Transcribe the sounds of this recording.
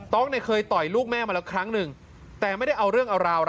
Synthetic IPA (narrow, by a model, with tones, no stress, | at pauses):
t̪ɔː˦˥k̚na˧˩kʰɤː˧jt̪ɔ˨˩jluː˥˩k̚mɛː˥˩ma˧lɛ˦˥wkʰɾa˦˥ŋnɯ˨˩ŋ | t̪ɛː˨˩ma˥˩jda˥˩jʔa˧wɾɯ˥˩əŋʔa˧wɾaː˧wɾ